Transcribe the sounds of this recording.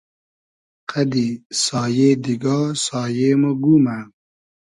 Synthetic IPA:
qʰad̪isɑːjeːd̪iɡɑːsɑːjemoɡuma

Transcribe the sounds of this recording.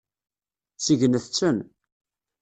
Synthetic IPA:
t͡sːiʝənəθt͡sːən

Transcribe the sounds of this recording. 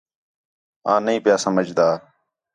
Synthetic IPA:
ãːnəĩːpɪjaːsəməd͡ʒd̪aː

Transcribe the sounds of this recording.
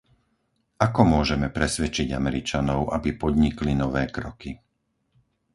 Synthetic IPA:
akɔmʊɔʒɛmɛpɾɛsʋɛt͡ʃiɟa̰mɛɾit͡ʃanɔʊʔabipɔd̪ɲiklinɔʋɛːkɾɔki

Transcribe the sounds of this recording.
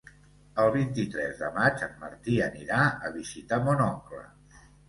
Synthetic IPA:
əlˠβint̪it̪ɾɛzðəmad͡ʒəmmə̰ɾt̪iəniɾaəβizit̪amonɔŋklə̰

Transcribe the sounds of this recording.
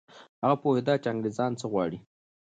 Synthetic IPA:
haɣapohɪd̪ɑt͡ʃaŋɡɾezɑnt͡səɣwɑɽi

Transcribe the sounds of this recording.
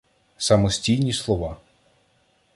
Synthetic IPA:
sɐmɔsʲtʲijnʲislˠɔʋɑ

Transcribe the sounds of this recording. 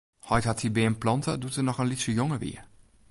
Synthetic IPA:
hɔjthatsibɛənplɑntʰə̰dutənɔxənlisəjoŋəʋḭə

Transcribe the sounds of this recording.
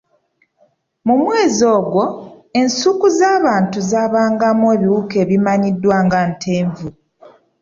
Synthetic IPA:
mumwe̞ːzo̞ːɡwo̞e̞nsukuzaːβaːntuzaːβaːŋɡamweːβiwuke̞ːβimaɲidːwaːŋɡantʰe̞ːɱvu

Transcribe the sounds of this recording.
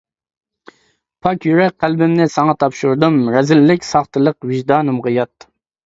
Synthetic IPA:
pʰɑkʲjyɾɛk̚ʲqʰælbɪmnɪsɑŋɑt̪ʰɑpʃuɾd̪ɨmɾɛzɪlːɪkʲsɑχt̪ɨlˠəqwɪʒd̪ɑːnɨmʁəjɑt̪

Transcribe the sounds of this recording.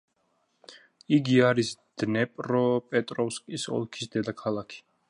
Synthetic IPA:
iɡiaɾisd̪̥nɛpʼɾɔpʼɛt̪ʼɾɔfskʼisɔ̰lˠkʰisd̪ɛd̪akʰalˠakʰi̥

